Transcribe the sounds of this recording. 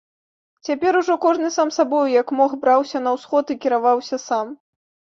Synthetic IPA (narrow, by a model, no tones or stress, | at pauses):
t͡sʲapʲɛɾuʐɔkɔʐnɨsamsabɔjjɐkmɔxbɾawsʲɐnɐwsxɔt̪ikʲiɾavawsʲɐsam